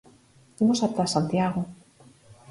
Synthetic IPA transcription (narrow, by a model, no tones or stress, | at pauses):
imosat̪asant̪jaɣo